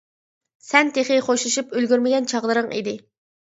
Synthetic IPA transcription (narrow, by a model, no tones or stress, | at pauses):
sɛnt̪ʰeχɪχoʃlˠuʃupølɡʲyɾmɪɡʲɛnt͡ʃʰɑʁlˠəɾɨŋʔḭd̪ɪ